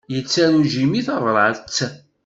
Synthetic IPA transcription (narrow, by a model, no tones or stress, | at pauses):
jət͡sːæɾuʒimiθəvˤɾˤəʕlt͡sː